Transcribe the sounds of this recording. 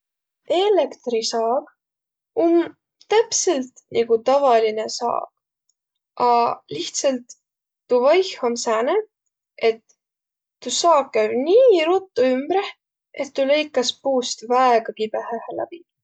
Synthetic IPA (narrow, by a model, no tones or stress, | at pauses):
e̞lekt̪risɑːɡ̥ | um | t̪æpselt̪nʔiɡ̥ut̪ɑvɑline̞sɑ̰ːk | ɑliht̪selt̪ː | uvɑjhomsæːne | et̪ː | usɑːkːæɥniːɾut̪ːˑuymbɾeh | ʔet̪ːulejkːˑɑspuːst̪væeɡ̥ɑpib̥ehæhelæ̰b̥i